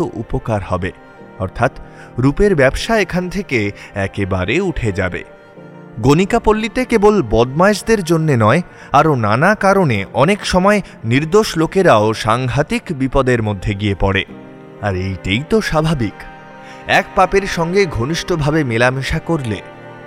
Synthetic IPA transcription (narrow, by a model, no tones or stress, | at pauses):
oʔṵpokaɾhɔbe | ɔɾt̪ʰat̪ | ɾupeɾbɛbʃaekʰant̪ʰekeɛkeba̰ɾeuʈʰed͡ʑa̰bḛ | ɡonikapolːit̪ekebolbɔd̪maeʃd̪eɾd͡ʑonːenɔe | aɾonanakaɾoneʔɔnekʃɔmɔe | niɾd̪oʃlokeɾaoʃaŋɡʱat̪ikbipɔd̪eɾmod̪ʱːeɡiepɔɽḛ | aɾejʈajt̪oʃabʱabik | ɛk̚papeɾʃɔŋɡeɡʱoniʃʈobʱabemelamiʃakoɾlḛ